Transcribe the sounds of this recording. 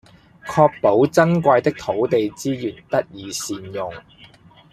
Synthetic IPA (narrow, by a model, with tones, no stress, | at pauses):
kʰɔː˧k̚po˨˥wt͡sɐ˥nkʷaː˧jt̪ɪ˥k̚t̪ʰo˨˥wt̪e˨jt͡siː˥jyː˨˩nt̪ɐ˥t̚jiː˨˧siː˨njʊ˨ŋ